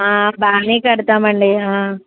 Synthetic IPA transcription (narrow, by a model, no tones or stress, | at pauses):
aːbaːniːkɐɽut̪aːmɐɳɖiɦaː